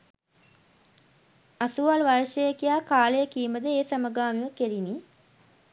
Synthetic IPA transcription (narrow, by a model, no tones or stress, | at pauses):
asuʋalʋarʃəjəkijaːkaːlejəkiːməd̪əeːsaməɡaːmiʋəkeɾini